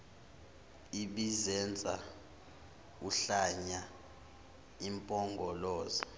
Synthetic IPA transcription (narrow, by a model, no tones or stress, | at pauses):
iɓizɛnd͡zʱʼa̰ | uɬaɲa | impʼɔŋɡʱɔlɔːzi